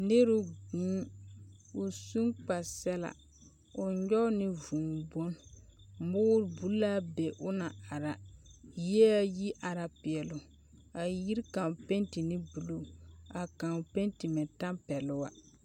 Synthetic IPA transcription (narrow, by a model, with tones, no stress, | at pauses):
nɪ˦ɾʊ˦ɡũː˦ | ʊ˨su˦ŋk͡pa˨sɛ˦la̰˨ | ʊ˨ɲɔ˦nɪ˦vu˨ŋ˨bo˦n˦ | mʊ˦ɾbu˦la˦be˨ʔʊ˦na˨a˨ɾa˨jɛ˦a˦ji˦ʔa˨ɾa˨pɪ˨ɛ˨lʊ˨ | a˨ji˦ɾka˨pɛ˦ntɪ˨nɪ˦bu˨lo˨a˨ka˨pɛ˦ntɪ˨mɪ˨ta˦mpɛ˨lʊ˦wa˦